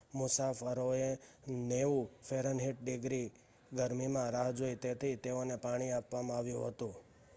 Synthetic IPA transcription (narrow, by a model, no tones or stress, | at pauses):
mʊsafəɾoe | neʋũfʰeɾənɦiʈ̚ɖɪɡɾi | ɡəɾmimãɾaɦd͡ʒoit̪et̪ʰit̪eonepaɽ̃iapʋamãaʋjũɦət̪ũ